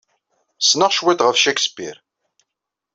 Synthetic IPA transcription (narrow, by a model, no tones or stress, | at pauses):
snəʁʃwæd̪ʁəfʃækspḭɾ